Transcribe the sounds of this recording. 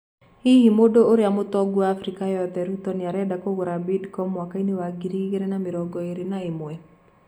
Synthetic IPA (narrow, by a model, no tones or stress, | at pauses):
hihimodoːɾeamotɔɡwaafɾikajɔðɛɾutɔneaɾɛdakoɣoɾabidkɔmwakainewaɡiɾiɣeɾɛnameɾɔɡɔeɾenaemwɛ